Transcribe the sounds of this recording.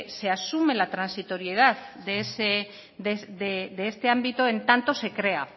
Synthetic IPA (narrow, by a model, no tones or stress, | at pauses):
se̞asume̞lat̪ɾansit̪o̞ɾie̞ð̞aððese | ðeðed̪eest̪e̞ambit̪oe̞nt̪ant̪o̞se̞kɾe̞a